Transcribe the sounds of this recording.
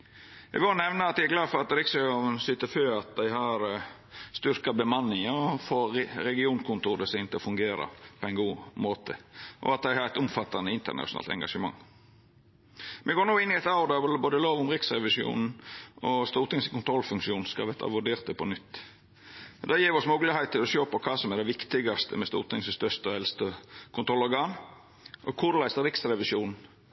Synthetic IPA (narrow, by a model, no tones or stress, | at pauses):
ɛ̰ʋoːnɛʋnəɑt̪d̪æɪæɡlɑːd̪fɔɾɑt̪ɾɪksɛuːnənsʏt̪əføːɾɑt̪̚d̪æɪɦɑɾ | st̪ʏɾkɑbəmɑnːɪŋəɔfoːɾɛɡɪuːnkʰʊnt̪ʰuːɾəsɛɪnt̪ɪlɔfʉŋɡeːɾɑ̰pʰɔɛɪnɡuːmoːt̪ʰəʔɔ̰ɑt̪̚d̪æɪhɑɾɛt̪ʊmfɑt̪ɑnəɪnt̪ə̰ɾnɑ̰ʂʊnɑ̰ːlt̪ɛ̰ŋɡɑʂəmɑ̰ŋː | mɛɡoːɾnuːɪnːɪɛɪt̪ɑʊɾd̪ɑbboːd̪əloːʋʊmɾɪksɾɛʋɪʃjṵːnn̩ʔɔst̪uːɾt̪ɪŋskʊnt̪ʰɾɔlːfʉŋkʃuːnskɑ̰ʋɛt̪ɑ̰ʋʉɖeːɾt̪əpʰɔnʏt̪ː | d̪ɛjiːɾʋɪɔsmʊɡlɪhɛɪt̪̚t̪ʰːɪlɔʃøːpɔkʰɑːsɔmɛɖ̪ɛʋɪkt̪ɪɡɑst̪ʰə̰mɛst̪ṵːɾt̪ʰɪŋsəst̪œst̪əɔɛlst̪əkʰʊnɾɔlɔɾɡɑːn | ʔɔkʰʊɾlæɪsəɾɪksɾɛʋɪsjuːnn̩